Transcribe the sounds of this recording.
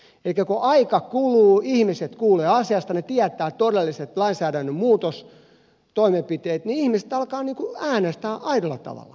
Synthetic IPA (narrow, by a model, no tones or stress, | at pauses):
eikækoʔɑikɑkuluːihmiset̪kuːleːɑsiɑst̪ɑnet̪iæt̪æːt̪odelːiset̪lɑinsæːɾænːømmuːt̪os | t̪oimepit̪eːt̪niihmisĕ̥t̪ɑlkɑːniːŋkuæːnest̪æːʔɑiɾolːɑ̰t̪ɑ̰ʋɑ̰lːˑɑ̰